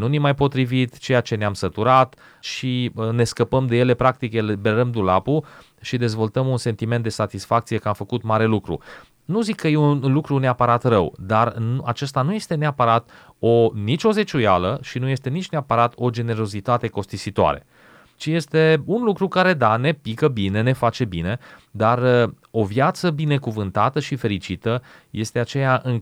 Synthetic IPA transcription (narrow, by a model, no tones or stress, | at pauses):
nunimajpo̞t̪ɾivit̪t͡ʃe̞jat͡ʃe̞neamsət̪uɾat̪ | ʃiəne̞skəpəmd̪e̞je̞le̞pɾak̚t̪ikjelebe̞ɾəmd̪ulapu | ʃid̪e̞zvo̞lt̪əmunse̞nt̪ime̞nt̪d̪e̞sat̪isfakt̪sije̞kəamfəkut̪maɾe̞lukɾṵ | nuzikʰːəjeunlukɾuneapəɾat̪rəwd̪arnuat͡ʃe̞st̪anuje̞st̪e̞neapəɾat̪ | o̞nit͡ʃʲo̞ze̞t͡ʃujaləʃinuje̞st̪e̞nit͡ʃʲne̞apəɾat̪ʰo̞d͡ʒe̞ne̞ɾo̞zit̪at̪e̞ko̞st̪isit̪oa̰ɾe̞̰ | t͡ʃije̞st̪e̞unlukɾukaɾe̞d̪ane̞pikəbine̞ne̞fat͡ʃe̞bine̞d̪ar | o̞vjat̪səbine̞kuvɨnt̪at̪əʃife̞ɾit͡ʃit̪ə | je̞st̪e̞at͡ʃe̞jaʔɨŋ